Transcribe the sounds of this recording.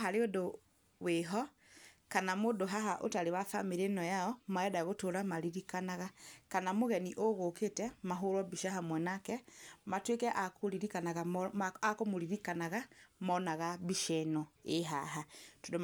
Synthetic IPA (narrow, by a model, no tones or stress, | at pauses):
ɦaɾeodo | weɦɔ | kanamodoɦaɦaʔo̰taɾewafa̰meɾenɔjaɔmaɛdaɣotoɾamaɾiɾikanaɣakanamoɣɛniʔoɣoketɛmaɦoɾwɔbiʃaɦamwɛnakɛmatwekɛʔakoɾiɾikanaɣaakomoɾiɾikanaɣamɔnaɣabiʃɛnɔeɦaɦatodo